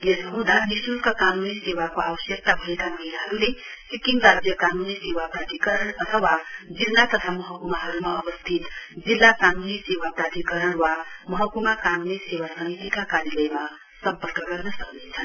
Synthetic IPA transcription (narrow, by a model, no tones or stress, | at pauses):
jesʌɦũd̪ʱanisulkakanunisewakoawʌsjʌk̚t̪abʱʌekamʌɦinaɦʌɾulesikiŋɡrad͡zjʌkanunisewaprat̪ikʌɾʌɳʌt̪ʰʌwad͡zinːat̪ʌt̪ʰamʌɦʌkumaɦʌɾumaʌbʌst̪ʰit̪d͡zilːakanunisewaprat̪ikʌɾʌɳwamʌɦʌkumakanunisewasʌŋit̪ikakaɾjilʌjma | sʌmpʌrkʌɡʌrnʌsʌknet͡sʰʌn